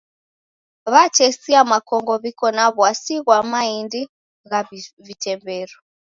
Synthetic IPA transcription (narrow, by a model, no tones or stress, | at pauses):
βat͡ʃɛsiamakɔŋɡɔβikɔnaβwasiɣwamaindi | ɣavitɛmbɛɾɔ